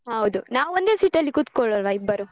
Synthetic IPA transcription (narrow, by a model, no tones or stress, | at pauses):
ɦɐwd̪unaːʋond̪e̞ːsiʈːɐlːikut̪koɭoɐlʋɐibːɐɾu